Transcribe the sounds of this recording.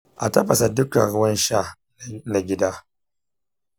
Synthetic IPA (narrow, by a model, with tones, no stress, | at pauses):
ʔa̰˨tɐ˦ɸɐ˨sa˨dʊ˦kɐ̰˨ɽʊ˦wɐ˦nʃa˦˨ | na˨ɡʲɪ˦daː˦